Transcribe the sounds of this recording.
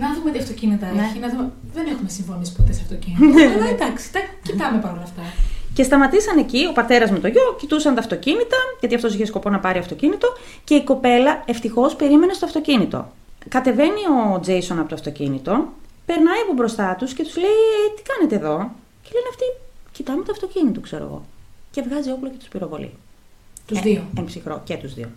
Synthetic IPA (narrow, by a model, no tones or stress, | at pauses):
nɐðumet̪iɐft̪o̞cinit̪ɐeçinɐume | ðenexumesiɱfo̞nisi̥po̞t̪eseɐft̪ocinied̪ɐksi̥t̪ɐcit̪ɐmepɐɾolɐft̪ɐce̞st̪ɐmɐt̪isɐne̞cio̞pɐɾt̪e̞ɾɐzmet̪o̞ʝo̞cit̪usɐnt̪ɐft̪o̞cinit̪ɐʝɐt̪iɐft̪o̞siçe̞sko̞po̞nɐpɐɾiɐft̪o̞cinit̪o̞ | ce̞iko̞pe̞lɐe̞ft̪ixo̞spe̞ɾime̞ne̞st̪oɐft̪o̞cinit̪o̞̰ | kɐt̪e̞ve̞nio̞d͡ze̞jso̞nɐpot̪ɐft̪o̞cḭnit̪o̞pe̞ɾnɐiɐpobɾo̞st̪ɐt̪usce̞t̪uzle̞iet̪i̥kɐne̞t̪e̞ːðo̞ | celeneɐft̪icit̪ɐmet̪oɐft̪o̞cinit̪okse̞ɾo̰ɣo̞̰ce̞vɣɐzio̞plocet̪uspiɾo̞vo̞̰lḭt̪uioempsixɾo̞̰cet̪uzðḭo̰